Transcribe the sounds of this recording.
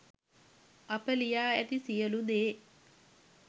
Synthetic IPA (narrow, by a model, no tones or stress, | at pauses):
apəlijaːæt̪isijəlud̪eː